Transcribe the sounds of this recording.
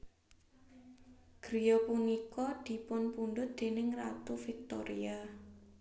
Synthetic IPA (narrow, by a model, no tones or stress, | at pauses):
ɡ̥ɾijɔpunikɔd̪̥i̤pʊnpunɖʊt̪̚d̪̥e̤nɪŋra̰t̪ufik̚t̪oɾḭa